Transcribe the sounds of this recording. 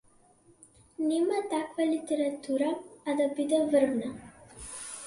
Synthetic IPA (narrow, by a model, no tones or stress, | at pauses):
nɛmat̪akvalit̪ɛɾat̪uɾaːd̪abid̪ɛvər̩vna